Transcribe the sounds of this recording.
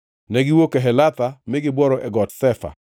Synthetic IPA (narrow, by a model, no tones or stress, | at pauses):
nɛɡɪwokeɦɛlat̪amɪɡɪbwɔɾɔʔɛɡɔtsɛfa̰